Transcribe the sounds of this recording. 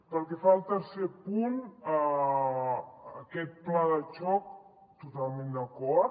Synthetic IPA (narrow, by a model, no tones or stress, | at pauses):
pəlˠkɛfalˠt̪əɾsepunə | kɛt̪̚plaðət͡ʃɔk̚ | t̪ut̪alˠmẽnd̪əkɔ